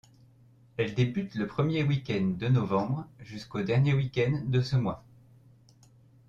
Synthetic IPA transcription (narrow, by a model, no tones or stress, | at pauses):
ɛld̪ebyt̪ləpχəmjewikʲɛnd̪ənɔvɑ̃bʁʒyskod̪ɛʁnjewikʲɛnːəsəmwa